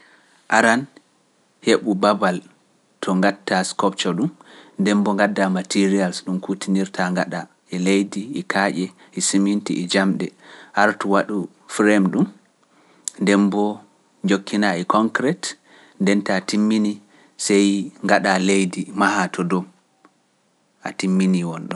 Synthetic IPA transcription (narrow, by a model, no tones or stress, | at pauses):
ʔaɾan | heɓubabal | tʰɔŋɡatːaskɔp̚t͡ʃɔɗumndɛmbɔŋɡadːamatiɾialsɗumkutʰiniɾtʰaŋɡaɗa | ɛlejdiːkʰaʔɛ | ʔisimintiʔɛd͡ʒamɗɛhaɾtuwaɗu | fɾɛmɗum | ndɛmbɔ | ɲd͡ʒokʰːinaɛkɔŋkɾɛt | ndɛntatimːini | sɛjŋɡaɗalejdimahatʰɔdɔ | ʔa̰timːiniwɔnɗɔ